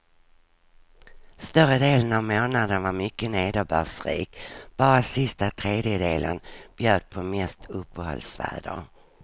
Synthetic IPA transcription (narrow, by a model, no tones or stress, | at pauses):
st̪œɾəd̪eːlənavmoːnad̪ənvaɾmʏkːəneːd̪əbœːʂɾḭːkb̥ɑːɾasɪst̪at̪ʰɾeːd̪jəd̪eːlə̰nb̥jøːd̪̚pʰɔmɛst̪ʰɵpʰːəhɔ̰lsvæ̰ːɖ̪ə̰